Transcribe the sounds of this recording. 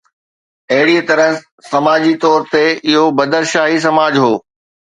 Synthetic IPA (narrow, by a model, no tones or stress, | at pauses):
ɐɦɪɽit̪ɐɾəɦ | sɐmaːd͡ʑit̪ɔːɾt̪eɪɦobɐd̪əɾʃaːɦis̬ɐmaːd͡ʑɦoː